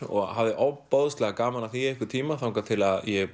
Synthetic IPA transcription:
ɔ̰ɣɦavðɪʔɔpowðʏst̪lɛɣakaːmanaθiejhkʏɾt̪ʰiːmaθawŋkat̪ʰɪlaðjɛɣ

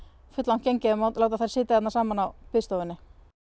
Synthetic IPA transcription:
fʏt̪lan̥cejɲcɪɪmaw̪lawt̪̬aθajɾsɪːt̪ajɛt̪naɾsaːmanawpɪðst̪owvɪnːɪ

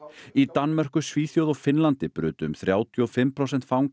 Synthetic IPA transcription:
it̪anːmɛr̥kʏsviːθjowðɔfɪnlant̪ɪpɾʏːt̪ʏmθɾjaːwt̪ʰjɔfɪmːpʰɾowsɛn̥t̪fawŋ

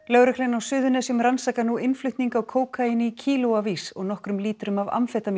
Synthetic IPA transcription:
lœɣɾɛklɛnawsʏːðʏnɛsjʏmransakanuʔɪnflʏht̪niŋkaːɣkʰoːwkʰainɪcʰiːlowavisɔɣnɔhkɾʏmliːt̪ɾʏmava̰mfɛt̪am

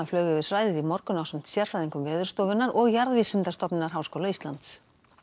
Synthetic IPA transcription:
aflœːɣʏvɪɾ̥sɾaːjðɪðimɔɾkʏnawsɛm̥t̪sjɛɾ̥fɾajðiŋkʏmvɛːðʏɾ̥st̪ɔːwvɪnːaɾʔɔɣjaɾðviːsʏnt̪ast̪ɔpnɪnaɾ̥ɦaːwskoːwlaiːst̪lant̪s

